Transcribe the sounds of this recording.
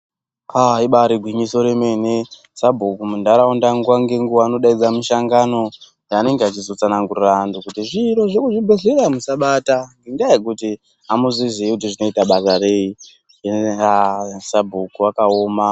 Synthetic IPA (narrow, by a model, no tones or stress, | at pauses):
aiɓaɾiɡʱwimiso̞ɾe̞mene | sabʱukumundaɾaundaŋɡuwaŋɡe̞ŋɡuʋaːno̞ɗaid͡zamuʃaŋɡano̞ | jaːne̞ŋɡeat͡ʃizo̞t͡sanaŋɡurirandukutiʐiɾo̞ʐekuʐibʱeɮeɾamusaɓataŋɡeŋɡaek̬uti | amuzizeikut̬iʐino̞itaɓasare̞ːi | easabʱukuwakao̞ːma